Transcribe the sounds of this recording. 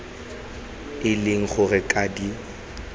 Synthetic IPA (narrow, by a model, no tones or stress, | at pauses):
ɪlɪŋ̩χʊrɪkʼadi